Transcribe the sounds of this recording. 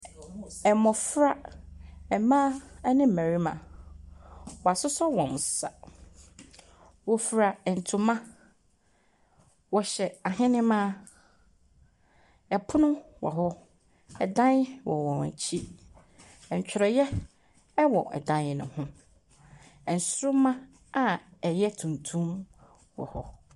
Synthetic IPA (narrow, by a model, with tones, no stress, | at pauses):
ɛ˨mɔ̃˨fɾa˦ | ɛ˨mã˦nɪ̃˦m̩˨æ̃˨ɾi˦mã̰˨ | wɔ˨a˨sʊ˦sɔ˦wɔ̃˨n˨sa˨ | wɔ˨fɾa˨n̩˨tʰʊ˨mã˦ | wɔ˨ɕɛ˨a˨ɦɪ̃˦nɪ̃˦mã˦˨ | ɛ˨pʰʊ˦nʊ̃˦wɔ̰˨ɦɔ˦ | ɛ˨dã˦n˦wɔ̰˨wɔ̃˨na̰˨t͡ɕʰi˦ | ɛ˨ɲ̩˨t͡ɕᶣɪ˨ɾɔ˨jɛ˦ | wɔ˨ʔɛ̰˨dã˦nɪ˨nʊ̰̃˨hʊ̃˦ | ɛ̃˨n̩˨sʊ˦ɾʊ˦mã˦ | a˦ɛ˨jɛ˦tʰũ˨ntʰũ˦m | wɔ̰˨hɔ˦